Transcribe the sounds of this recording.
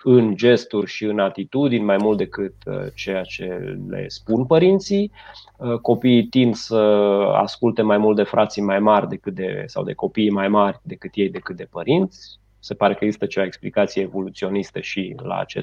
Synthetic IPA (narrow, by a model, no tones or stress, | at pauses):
ɨnd͡ʒe̞st̪urʲʃiɨnat̪it̪ud̪inʲmajmult̪̚d̪e̞kɨt̪ə̰t͡ʃe̞jat͡ʃe̞̰lḛspunpəɾint̪si | ko̞piːt̪ind̪səa̰skult̪e̞majmult̪̚d̪e̞fɾʔat̪simajmarʲd̪e̞kɨt̪̚d̪e̞sa̰wd̪e̞̰ko̞piːmajmarʲd̪e̞kɨt̪je̞jd̪e̞kɨt̪̚d̪e̞pəɾint̪sʲ | se̞paɾe̞kəeɡzist̪ət͡ʃevaeksplikat̪sijeːvo̞lut̪sio̞nist̪əʃila̰ːt͡ʃḛ